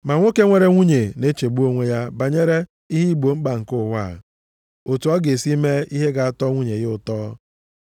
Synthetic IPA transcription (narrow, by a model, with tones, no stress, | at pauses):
ma˨ŋʷo˦ke˦ŋʷe˦ɾe˦ŋʷu˦ɲe˨ne˦t͡ʃe˨ɡ͡bu˦o˦ŋʷe˦ja˦ba˨ɲe˦ɾe˦ | i˦ɦi˦˨ɡ͡bo˨ŋ͡m̩˦ɡ͡ba˨ŋ̩˨kʊ˦˨wa̰˦˨ | o˨tu˨ɔ˦ɡe˨si˦me˦i˦ɦe˦ɡa˨a˦tɔ˦ŋʷu˦ɲe˨ɣɪ˦ʊ˦˨tɔː˦